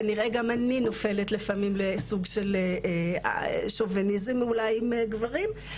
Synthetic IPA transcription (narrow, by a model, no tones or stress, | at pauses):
niʁeɡamanino̞fe̞letlefamimlesuɡʃel̰ | ʃovenizimulajimeɡvaʁim